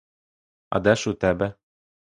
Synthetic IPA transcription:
ɐ̰d̪ɛʃut̪ɛbɛ

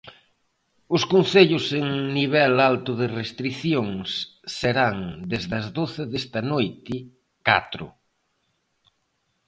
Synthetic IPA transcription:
ʊskonθeʎʊseŋniβ̞ɛlalt̪ʊðɪrest̪ɾiθjoŋsːeɾaŋd̪ezðɐzðoθɪðest̪ɐnojt̪ɪ | ka̰t̪ɾʊ̰

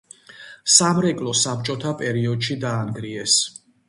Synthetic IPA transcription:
samɾɛkʼlˠɔsap̚t͡ʃʼɔt̪ʰapʼɛɾiɔd̪ʃid̪aːnɡɾiɛs

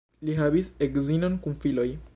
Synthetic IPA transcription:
liɦabisekzino̞nkunfilo̞j

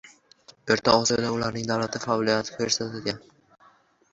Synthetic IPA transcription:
beɾt̪ʰaɒsid̪aʊlaɾnɪŋd̪awlat̪ʰɪfaɒlˠijat̪ʰɪ̥kʰeɾsat̪ʰed̪ɡʲan

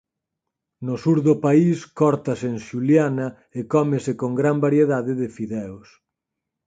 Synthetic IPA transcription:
nʊsuɾðʊpaiskɔɾt̪ɐsenʃuljanɐ | ekɔmesekoŋɡɾambaɾjeðaðɪðɪfiðɛos

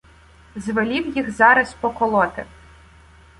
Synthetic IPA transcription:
zʋelʲiwjixzɑɾɐspɔkɔlˠɔt̪ɪ̰

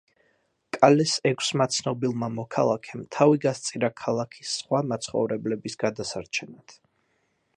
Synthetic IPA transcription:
kʼalɛsɛkʰsmat̪sʰnɔbilˠmamɔkʰalˠakʰɛmt̪ʰaviɡast̪sʼiɾakʰalˠakʰi̥sːχwamat̪sʰχɔ̰vɾɛblɛbisɡ̥ad̪asaɾt͡ʃʰɛnat̪ʰ

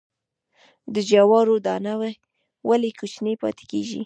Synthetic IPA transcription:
d̪əd͡ʒawɑɾod̪ɑnawa | wʔalekʰot͡ʃnepɑ̰t̪e̥keʒḭ

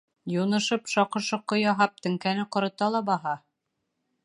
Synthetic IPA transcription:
junɤ̆ʃɤpʃɑqɤ̆ʃɤqːojɑɦɑp̚t̪ɘ̆ŋkænɘqŏɾɤ̆t̪ɑlˠɑbɑɦɑ

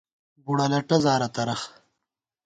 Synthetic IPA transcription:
ɡuɽɐlɐʈɐzaːɾɐt̪ɐɾɐx

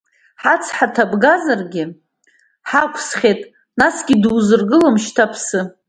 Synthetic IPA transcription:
ħat͡sʰħatʰabɡazarɡʲɪ | ħakʷʰsχʲetʼ | nasɡʲɪduzɨrɡɨlamʃtʰapʰsɨ

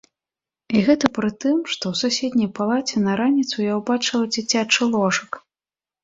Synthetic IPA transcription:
iɣɛt̪ɐpɾɨt̪ɨmʂt̪ɔwsusʲed̪ʲnʲɐjpalˠat͡sʲɛnɐɾanʲit̪sujawbat͡ʂɨlˠɐd͡zʲit͡sʲat͡ʂɨlˠɔʂɨk

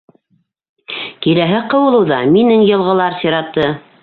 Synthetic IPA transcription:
kilæɦɘqɤ̆wɤ̆lˠɤwðɑminɘŋjɤ̆lˠʁɤ̆lˠɑɾsiɾɑt̪ːɤ

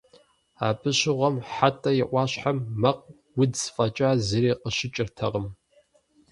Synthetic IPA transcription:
aːpʰʼɨɕɪʁʷɐmħatʼɐjɪʔʷɑːɕħamːɐq̚ | wʊdzfʼɐt͡ʃʼazɨɾeːqəɕɪt͡ʃʼɪrtʰɐʁəm

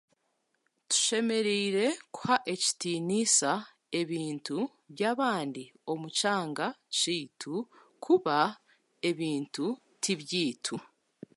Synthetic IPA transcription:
tu̥ʃe̞me̞ɾeiɾe̞ku̥haʔe̞ci̥tinisa | e̞βiːntu | βjaːβaːndio̞mucaːŋɡat͡ʃiːtʰu | kʰuβa | e̞βiːntu | tʰiβjiːtʰu

